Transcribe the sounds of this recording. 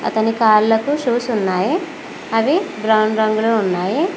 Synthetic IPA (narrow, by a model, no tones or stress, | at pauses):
ɐ̰t̪ɐnikaːɾlɐkːuʃuːsunːaːje | ɐʋebɾɐwɳɾɐŋɡuɭuunːaːje